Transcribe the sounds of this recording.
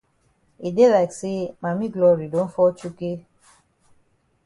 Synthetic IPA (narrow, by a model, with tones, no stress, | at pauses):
i˨de˦la˨kse˦mã˨mĩ˦ɡlɔ˧ɾi˨do˨˦n̩˦fɔ˦t͡ʃu˦ke˦